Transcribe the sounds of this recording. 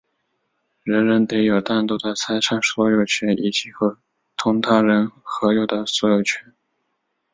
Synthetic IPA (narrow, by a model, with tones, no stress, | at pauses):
ɻə˧˥nɻə˧˥nt̪e˧˥ɪjo˨˩ʊt̪a˥˩nt̪ɔ˥d̪ə˨t͡sʰa˥ɪʂʰa˥˩ŋswɔ˧˥jo˨˩ʊt͡ɕʰɥɛ˧˥nʔi˨˩t͡ɕi˨˩xɤ˧˥ | t̪ʰʊ˥ŋt̪ʰa˥ɻə˧˥nxɤ˧˥jo˨˩ʊd̪ə˦swɔ˧˥jo˨˩ʊt͡ɕʰɥɛ˧˥n